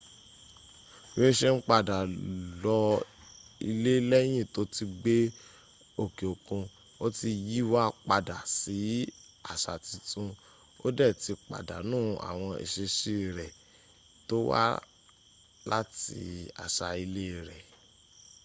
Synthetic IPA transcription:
we˦˧ʃe˦n̩˦k͡pa˦˨da˨lɔ˧ | i˧le˦lɛ˦j̃ĩ˦˨to˨˦ti˧ɡ͡be˦ | o˦˨ke˨o˨kũ˧ | o˦ti˧ji˦wa˦k͡pa˧da˨si˨˦ | a̰˨ʃa˨ti˧tũ˧ | o̰˦dɛ˦˨ti˧k͡pa̰˨da̰˨nũː˦˨a̰˨w̃ɔ̃˧ḛ˨ʃe˧ʃi˦˨ɾɛ˨ | to˦wa̰˦ | la̰˦tḭ˧a̰˨ʃa˨˧i˧le˦˨ɾɛ˨

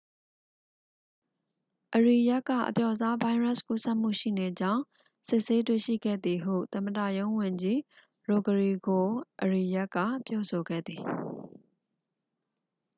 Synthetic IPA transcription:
ʔəɹi˨ja˦kːä̰˦˨ʔəpjɔ˦˨za˦ba˦ɪɹa˦˨sku˦sɛ˦ʔm̥ṵ˦˨ʃḭ˦˨ne˨d͡ʑã˦ʊ̃ | sɪ˦ʔse˦twḛ˦˨ʃḭ˦˨ɡɛ̰˦˨d̪i˨ɦṵ˦˨t̪ə̃˨mədä̰˦˨jõ˦ʊ̃wʊ̃˨ɲd͡ʑi˦ | ɹo˨ɡəɹi˨ɡo˨ʔəɹi˨ja˦kːä̰˦˨pjɔ˦so˨ɡɛ̰˦˨d̪ði˨

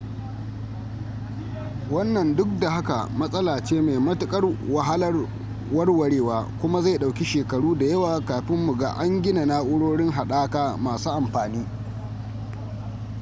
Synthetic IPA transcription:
wɐ˦nːɐ˨ndʊ˦k̚da˨ɦa˦ka̰˨mɐ˦sʼɐ˦laː˨t͡ʃeː˦meː˨mɐ˦tʊ˦kʼɐ˦rwɐ˨ɦa˦lɐ˦r | wɐ˦rwɐ˦ɽeː˦waː˦kʷʊ˦ma˦za˦˨ɗa˨wkʲi˦ʃeː˨kɐ˨ɽuː˦da˨jɐ˦waː˨kaː˨ɸɪ˦mːʊ˨ɡa̰ː˦ʔa˦ŋɡʲɪ˦na˨na˦ʔʊ˦ɽoː˦ɽɪ˦ŋɦa˨ɗaː˦kaː˦maː˨suː˦ʔa˨mɸaː˨niː˦

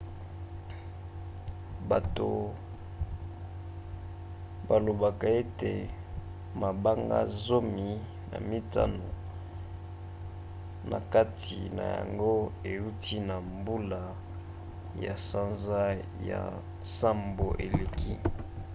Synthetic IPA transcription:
ba˨to˨ | ba˨lo˨ba˨ka˨e˦te˨ | ma˨ba˦ŋɡa̰˦zo˦mi˨ | na̰˨mi˦ta̰˦no˨ | nʔa̰˨ka˦tʰi˨na̰˨ja̰˨ŋɡo˦e˨u˦tʰi˦na˨mbu˦la˨ | ja̰˨sa˦nza˦ja̰˨ | sa˦mbo˨ʔe˨le˨ki˦

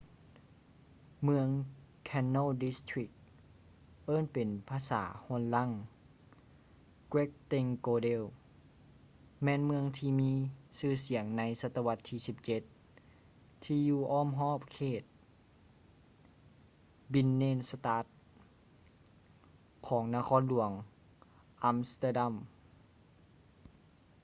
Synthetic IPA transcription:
mɯ˧əŋ | kʰɛ˧nːoː˧˥˨di˧˦st̪ʰɹi˧˥k̚ | ʔɤː˧˥˨npe˨˩npʰaː˧sa̰ː˩˦hu˧˩ənla˧˥˩ŋ | kwe˦˥k̚t̪e˧ŋkoː˧de˧˩˨w | mɛː˧˥˨nmɯ˧əŋt̪ʰiː˧miː˧˥sɯː˧˩si˨˩˦əŋna˧˥jsa˧˥t̪ːa˧wa˧t̪ʰːiː˧˩si˧˦p̚t͡ɕe˧˦t̪̚ | t̪ʰiː˧juː˧˩ʔɔː˧˥˨mɦɔː˧˥˩p̚kʰeː˧˩t̪̚ | bi˧˥nːeː˧˥˨nsa˧t̪aː˧˦˥t̪̚ | kʰɔː˩˦ŋnaː˧kʰɔː˧˥˨nlu˨˩˦əŋ | ʔa˧˥mst̪aː˧da˧˥˨m

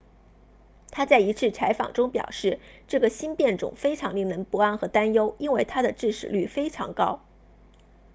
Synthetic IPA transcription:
t̪ʰa˥t͡sa˥˩ɪi˧˥t͡sʰɻ̩˥˩t͡sʰa˧˥ɪfɑ̰˨˩ŋʈ͡ʂʊ˥ŋpjɑ̰˨˩ʊʂɻ̩˥˩˧ʈ͡ʂɤ˥˩ɡə˩ɕi˥npjɛ˥˩nʈ͡ʂʊ̰˨˩˦ŋfe˥ɪʈ͡ʂʰɑ˧˥ŋli˥˩ŋnə˧˥npu˧˥a˥˩nxɤ˧˥t̪a˥njo˥ʊi˥nwe˥˩ɪt̪ʰa˥d̪ə˨ʈ͡ʂɻ̩˥˩ʂɻ̩̰˨˩ly˥˩fe˥ɪʈ͡ʂʰɑ̰˧˥ŋkɑ˥ʊ

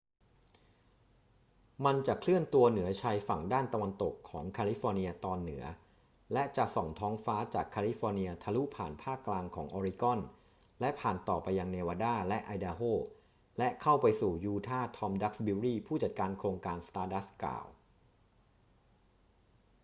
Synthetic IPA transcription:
ma˧nt͡ɕa˨˩kʰlɯ˥˩ənt̪u˧ɐnɯ˩˦ɐt͡ɕʰa˧jfa˨˩ŋdaː˥˩nt̪a˧wa˧nt̪o˨˩kʰːɔː˩˦ŋkʰaː˧li˦˥fɔː˧ni˧ɐt̪ɔː˧nːɯ˩˦ɐ | lɛ˦˥t͡ɕa˨˩ʔsɔ˨˩ŋt̪ʰɔː˦˥ŋfaː˦˥t͡ɕaː˨˩kʰːaː˧li˦˥fɔː˧ni˧ɐt̪ʰa˧lu˦˥pʰaː˨˩npʰaː˥˩kːlaː˧ŋkʰɔ̰ː˩˦ŋʔɔː˧ɾi˦˧˥kɔ˥˩n | lɛ˦˥pʰaː˨˩nt̪ɔː˨˩pa˧jːa˧ŋneː˧waː˧daː˥˩lɛ˦˥ʔa˧jdaː˧ɦoː˥˩ | lɛ˦˥kʰa˥˩wpa˧jsuː˨˩juː˧t̪ʰaː˥˩t̪ʰɔ˧mda˦˥k̚sbi˧ɾiː˥˩pʰuː˥˩t͡ɕa˨˩t̪̚kaː˧nkʰɾoː˧ŋkaː˧nst̪aː˧da˦˥ska̰ː˨˩w

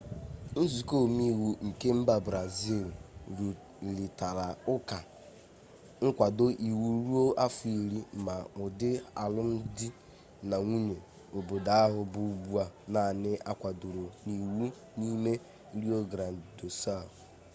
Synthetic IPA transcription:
n̩˦zu˨ko˦˨mi˦˨wu˨ŋ̩˨ke˦m̩˦ba˨bɾa˨zi˦˨lɾu˨ | li˨ta˨ɾa˨ʊ˦ka˨ | ŋ̩˦kʷa˨do˦ʔi˨wu˦ɾu˦o˦ʔa˦fʊ˨i˨ɾi˦˨ma˨ʊ˨dɪ˦a̰˨lʊ˦n̩˦dɪ˦ | na˨ŋʷu˦ɲe˨ | o˨bo˨da˨˦a˦ɦʊ˨bʊ˨˦bu˦a˨na˨nɪ˦ʔa˦kʷa˨dʊ˨ɾo˨ni˨wu˦ | ni˦me˦ | ɾi˦o˦ɡɾa˨n̩˨do˨sa˦˨

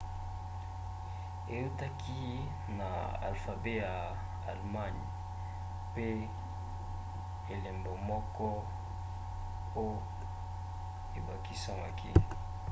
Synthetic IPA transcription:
e˨ju˦ta˦kʰi˦ | na̰˨a̰˨lfa˨be˦ja˨ | a˨lma˦˨n˨ | pe˦ | e˨le˨mbo˨mɔ˦kɔ˦ | o˦ | e˨ba˨ki˦sa˦ŋa˨kʰi˦

